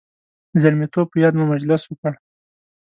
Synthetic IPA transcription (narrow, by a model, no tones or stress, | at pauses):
zaɾmit̪ob̚pəjɑd̪mumad͡ʒlɪswəkəɽ